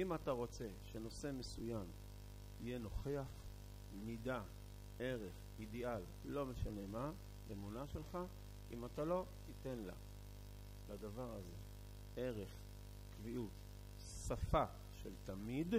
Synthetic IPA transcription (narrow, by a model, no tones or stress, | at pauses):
imat̪aʁo̞t͡se̞ʃe̞no̞se̞me̞sujam | ijeno̞χeaχ | mida | e̞ʁe̞χmid̪ialːo̞me̞ʃane̞ma | lemunaʃe̞lχa | ʔimatalo̞t̪ite̞nla̰ | lad̪avaʁaze̞ | eʁe̞χ | kviʔut | safa | ʃeltamid